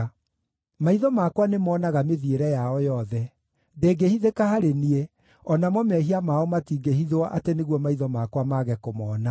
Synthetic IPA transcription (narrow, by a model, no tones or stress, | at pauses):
maiðɔmakwanemɔːnaɣameðieɾɛjaɔjɔðɛ | deːɡehiðekahaɾenie | ɔnamɔmɛɦiamaɔmatiɡehiðowaʔateneɣwɔmaiðɔmakwamaɣɛkomɔːna